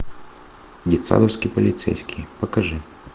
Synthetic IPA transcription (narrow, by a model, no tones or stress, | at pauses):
dʲit̪sa̰d̪ɐwsʲkʲipɐlʲit̪sɛ̰jsʲkʲipɐkɐʐɨ